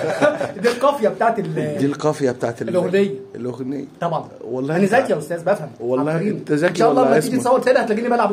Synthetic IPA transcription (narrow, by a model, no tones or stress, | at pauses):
d̪ilqɑfjæbet̪aːʕt̪eld̪ilqɑfjɑbet̪aːʕt̪lʔoɣnejːæelʔoɣnḛjːt̪ˤɑbʕɑn | wɑlˤːɑenːezæjt̪jæʔost̪æːzbæfhæmwɑlˤːɑiːmt̪æzæenʃæːʔɑlˤːɑːæd͡ʒ̪it̪sˤæwːɑɾt̪elæhæt̪elæɡiːlimælʕab